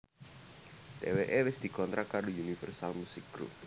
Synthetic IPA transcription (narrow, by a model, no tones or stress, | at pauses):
t̪ḛweʔewɪsd̪̥i̤kɔnt̪ɾakadounifərsalmusɪkɡ̥ɾṵp̚